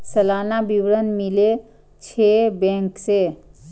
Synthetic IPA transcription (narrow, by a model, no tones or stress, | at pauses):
səlanabiwɾənmile | t͡ʃʰebẽkse